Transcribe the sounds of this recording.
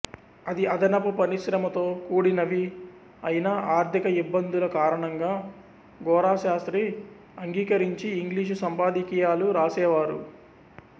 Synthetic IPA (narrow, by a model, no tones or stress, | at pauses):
ɐd̪iɐd̪ʱɐnɐpupɐɾiʃɾɐmɐt̪o̞ːkuːɽinɐʋi | ɐjinɐʔaːɾt̪ʰikɐibːɐnd̪ulɐkaːɾɐɳɐŋɡaː | ɡɔːɾaːʃaːst̪ɾi | ɐŋɡiːkɐɾiɲt͡ʃiːŋɡliːʃ̬usɐmpaːd̪ikiːjaːluɾaːsɛːʋaːɾṵ